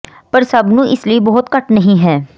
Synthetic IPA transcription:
pɐɾsɐbnũʔɪsliebɔɦʊt̪kɐʈnɐɦĩɦɛː

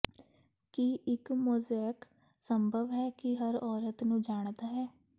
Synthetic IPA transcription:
kiʔɪkmʊːzaːɪk | səmbʱəʋɦɛːkɪɦəɾɔːɾət̪nũːd͡ʒaːɳ̃d̪aːɦɛː

